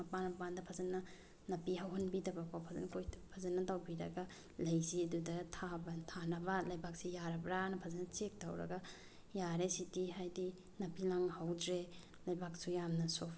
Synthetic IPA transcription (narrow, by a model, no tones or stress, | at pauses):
ɐpanmpandɐpʰazɐnːɐ | nɐpiɦawɦonbidɐbakopʰazɐ̰nkojpʰazɐnːɐtawbiɾɐ̰ɡa | lɐjziɐdudɐtʰabɐtʰanɐbɐlɐjbak̚sijaɾɐbɾanɐpʰazɐnɐt͡ʃek̚tawɾɐ̰ɡa | jaɾesitiɦajdi | nɐpilaŋhawdɾe | lɐjbak̚sujamnɐsop